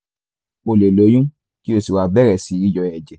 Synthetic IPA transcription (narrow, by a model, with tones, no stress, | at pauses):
o˨le˨lo˨˦jũ˦ | ki˦o˦˨si˨wa˨˧bɛ˦ɾɛ˨si˨˧˨ɾi˧˦d͡ʒɔ˧˨ɛ˨d͡ʒɛ˨